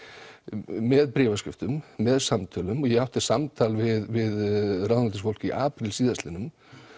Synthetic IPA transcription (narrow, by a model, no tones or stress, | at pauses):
ɛðpɾɛːvascɪft̪ʏmːɛðsamt̪ʰœlʏmɔjɛɣawht̪ɪ̥samt̪ʰaːlvɪðvɪðrawðnlt̪ɪsfowl̥ciʔaːpɾɪlsiːðast̪ɪnʏm